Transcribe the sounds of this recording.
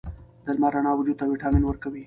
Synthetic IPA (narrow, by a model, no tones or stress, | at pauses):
d̪̥əlmaɾaɳɑwʊd͡ʒud̪̚t̪awiʈɑminwəɾkawi